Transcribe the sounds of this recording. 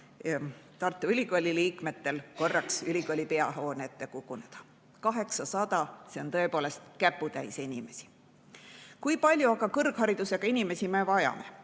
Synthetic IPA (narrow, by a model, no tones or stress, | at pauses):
t̪ɑrt̪ːˑuylʲiɡ̥olʲiliːkme̞t̪ːe̞lko̞rːɑksylʲiɡolʲipe̞ɑɦo̞ːneet̪ːe̞kukːˑune̞d̪̥ɑ̥ | kɑɦe̞ksɑsɑd̪̥ɑse̞o̞nt̪ɤ̞e̞poːle̞st̪kæpːˑut̪æjseinime̞si̥ | kujpɑlʲjuɑɡ̥ɑkɤrɡ̥hɑɾid̪use̞ɡ̥ɑinime̞sime̞vɑjɑ̰me̞